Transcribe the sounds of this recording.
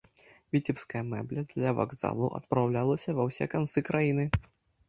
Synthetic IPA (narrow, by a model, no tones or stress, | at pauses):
vʲit͡sʲipskɐjɐmɛblʲɐd̪lʲɐva̰ɡza̰lˠuʔɐ̰t̪̚pɾawlʲalˠɐsʲɐvɐwsʲɛ̰kant̪sɨkɾajinɨ